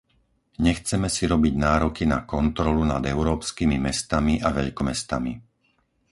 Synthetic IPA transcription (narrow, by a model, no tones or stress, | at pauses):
ɲɛxt͡sɛmɛsiɾɔbiɟnaːɾɔkinakɔnt̪ɾɔluna̰d̪ɛʊɾɔːpskimimɛst̪amiʔaʋɛ̰ʎkɔmɛst̪ami